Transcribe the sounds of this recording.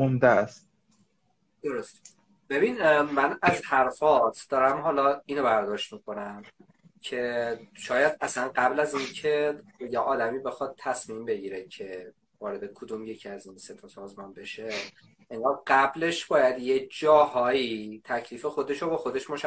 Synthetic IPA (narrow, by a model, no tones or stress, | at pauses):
omd̪æst̪ | d̪̥o̞ɾo̞st̪ | b̥e̞binmænæzhæɾfɒːt̪ʰd̪̥ɒːɾæmɦɒːlɒiːnobæɾd̪ɒːʃt̪miːkʰonæm | cʰe̞ʃɒːjæd̪ʔæslænɢæblæziːncʰe̞jeʔɒːd̪æmiːbe̞xɒd̪̚t̪ʰːæsmimbe̞ɟiːɾecʰe̞ | vɒːɾe̞d̪e̞kʰod̪uːmje̞cʰiæzinse̞t̪ʰɒsɒːzmɒːnbe̞ʃe̞ | ʔeŋɡɒːlɢæble̞ʃb̥ɒːjæd̪jed͡ʒɒːhɒːiːt̪ʰæcʰliːfexo̞d̪e̞ʃobɒxo̞d̪e̞ʃmoʃæ